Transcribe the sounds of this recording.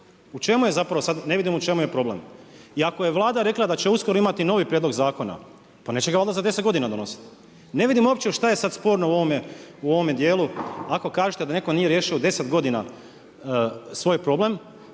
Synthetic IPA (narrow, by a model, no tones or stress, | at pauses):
ut͡ʃe̞muje̞zapɾaʋosad̪ne̞ʋid̪imut͡ʃe̞muje̞pɾo̞blemiako̞je̞ʋlˠaːd̪aɾe̞klˠad̪at͡ɕeuskoɾoimat̪ino̞ʋipɾjed̪lo̞ɡzaːko̞na̰ | pane̞ːt͡ɕt͡ʃeɡaold̪azad̪eset̪ɡo̞d̪inad̪onosi̥t̪i̥ | ne̞ʋid̪imuoːpt͡ʃeʃt̪aje̞sad̪spo̞ɾnouoʋomjeuo̞ʋomjed̪jeːluako̞kaːʒet̪ed̪ane̞ko̞nijeɾje̞ːʃiod̪e̞set̪ɡo̞d̪ina | sʋo̞jpɾo̞ble̞m